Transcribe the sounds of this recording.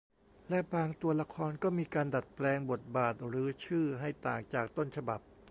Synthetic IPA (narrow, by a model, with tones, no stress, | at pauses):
lɛ˦˥ʔbaː˧ŋt̪u˧ɐla˧kʰɔː˧nkɔː˥˩miː˧kaː˧nda˨˩t̪̚plɛː˧ŋbo˨˩t̪̚baː˨˩t̪̚ɾɯː˨˦t͡ɕʰɯː˥˩ɦa˥˩jt̪aː˨˩ŋt͡ɕaː˨˩k̚t̪o˥˩nt͡ɕʰa˧ba˨˩p̚